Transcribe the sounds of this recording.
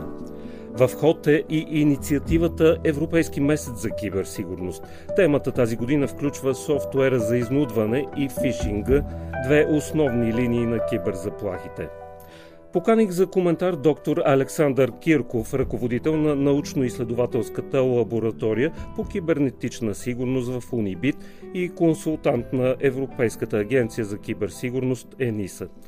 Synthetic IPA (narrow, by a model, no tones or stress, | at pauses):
vɐfxɔt̪ɛʔiʔinit̪siɐt̪ivət̪əʔɛvɾopɛjskimɛsɛt̪zɐk̟ibɛɾsiɡʊɾnost̪ | t̪ɛmət̪ət̪aziɡod̪inəfklʲut͡ʃvəsɔft̪oɛɾəzɐiznud̪vɐnɛifiʃiŋɡəd̪vɛʔosnɔvniliniːnɐkibɛɾzɐplˠaxit̪ɛ̰ | pokaniɡzɐkomɛnt̪aɾd̪ɔkt̪oɾɐlɛksand̪əɾkʲiɾkofɾɐkovod̪it̪ɛlˠnɐnɐut͡ʃnoislɛd̪ʊvat̪ɛlˠskət̪əlˠɐboɾɐt̪ɔɾijəpok̟ʲibɛɾnɛt̪it͡ʃnəsiɡʊɾnost̪vɐfunibit̪ | ikonsulˠt̪ant̪nɐʔɛvɾopɛjskət̪əːɡʲɛnt̪sijəzɐk̟ʲibɛɾsiɡʊɾnost̪ɛnisə